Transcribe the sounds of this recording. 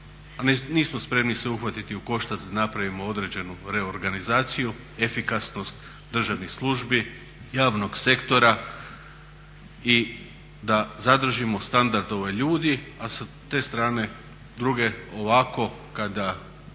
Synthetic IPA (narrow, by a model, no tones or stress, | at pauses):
anniːsmospɾe̞mniseuxʋat̪it̪iuko̞ʃt̪asd̪anapɾaʋimo̞o̞d̪ɾe̞d͡ʑe̞nuɾe̞o̞ɾɡanizaːt̪siju | e̞fikasno̞st̪ | d̪r̩ʒaʋnislˠuʒbi | jaːʋno̞ɡse̞kt̪o̞ɾa | i | d̪azad̪r̩ʒimo̞st̪and̪aɾd̪o̞ʋeʎuːd̪iasat̪e̞ːst̪ɾaːne̞ | d̪ɾuɡe̞oʋako̞ | kad̪a